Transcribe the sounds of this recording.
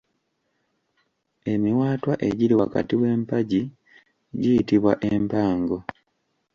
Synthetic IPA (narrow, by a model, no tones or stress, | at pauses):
e̞miwaːtwaʔe̞ɟiɾiwaka̰tiwe̞ːmpaɟi | ɟijitiβwaʔempaːŋɡo̞